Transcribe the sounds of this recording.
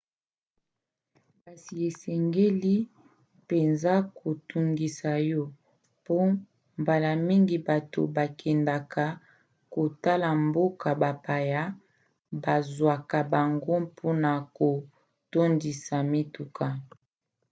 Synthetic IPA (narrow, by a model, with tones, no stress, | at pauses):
ba˨si˨e˨sɛ˨ŋɡe˦li˦ | pe˨nza˦ko˨tu˨ŋɡi˨sa˨jɔ˦ | po˦ | mba˨la˨mi˦ŋɡi˨ba˨to˨ba˨kʰɛ˨nda˨ka˨ | ko˨ta˦la˨mbo˦ka˨ba˨pa˨ja˦ | ba˨zwa˨ka˨ba˨ŋɡo˦pʰo˦na˨ko˨ | to˦ndi˨sa˨mi˦tu˨ka˨